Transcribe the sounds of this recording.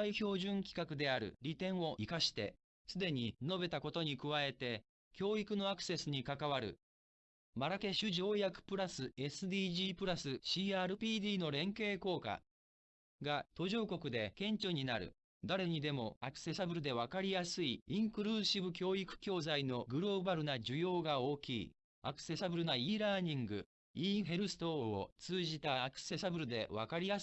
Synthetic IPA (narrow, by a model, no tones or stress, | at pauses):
iço̞ːʑɨ̃ŋkʲi̥kakɯ̟d̪e̞aɾɯ̟̰ɾʲit̪ẽ̞ɰ̃o̞ʔikaɕi̥t̪e̞̰ | sɨd̪e̞ɲ̟ino̞be̞t̪ako̞t̪o̞ɲ̟ikɯ̟βae̞t̪e̞ | kʲo̞ːikɯ̟no̞akɯ̟̥se̞sɨɲ̟ikakaβaɾɯ̟̰ | maɾake̞ɕɨʑo̞ːjakɯ̟̥pɯ̟ɾasɨe̞sɨd̪iːʑiːpɯ̟ɾasɨɕiːaːɾɯ̟pʲiːd̪iːno̞ɾẽ̞ŋke̞ːko̞ːka̰ | ɡat̪o̞ʑo̞ːko̞kɯ̟d̪e̞kẽ̞ɲ̟t͡ɕo̞ɲ̟inaɾɯ̟̰ | d̪aɾe̞ɲ̟id̪e̞mo̞akɯ̟̥se̞sabɯ̟ɾɯ̟d̪e̞β̞akaɾʲijasɨiĩŋkɯ̟ɾɯ̟ːɕibɯ̟kʲo̞ːikɯ̟̥kʲo̞ːzaino̞ɡɯ̟ɾo̞ːbaɾɯ̟nad͡ʑɨjo̞ːɡao̞ːkʲiː | akɯ̟̥se̞sabɯ̟ɾɯ̟naiːɾaːɲ̟ĩŋɡɯ̟̰ | iɦe̞ɾɯ̟sɨ̥t̪o̞o̰t͡sɨːʑit̪aːkɯ̟̥se̞sabɯ̟ɾɯ̟d̪e̞βa̰kaɾʲija